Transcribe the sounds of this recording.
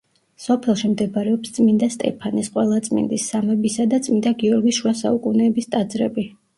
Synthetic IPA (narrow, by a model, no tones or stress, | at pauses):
sɔpʰɛlˠʃimd̪ɛpɾɛɔpst̪sʼmind̪ast̪ʼɛ̰pʰanisqʼwɛlˠat̪sʼmḭnd̪isːamɛbisad̪at̪sʼmind̪aɡiɔɾɡiʃuasa̰ukʼunɛːbist̪ʼad̪zɾɛ̰bi